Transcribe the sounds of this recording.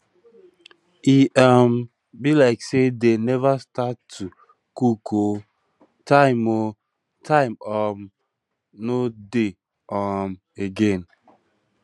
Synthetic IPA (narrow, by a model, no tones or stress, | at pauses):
iʔam | bilaɪksedenɛvastatʰːu | kukʰo | tʰaɪmo | tʰãɪmɔm | node | ɔm | eɡẽn